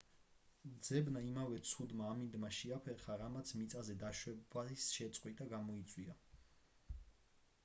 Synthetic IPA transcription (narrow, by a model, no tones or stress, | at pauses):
d̪zɛbnaimavɛt̪sʰud̪maːmĩnd̪maʃiapʰɛχaɾamat̪sʰmit̪sʼazɛd̪aʃwɛbaisʃɛt̪sʼqʼwit̪ʼaɡamɔit̪sʼwia